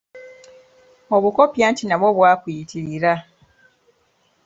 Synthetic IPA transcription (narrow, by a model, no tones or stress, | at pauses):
o̞βuko̞pjaːntinaβoβwaːkwiitʰiɾiɾa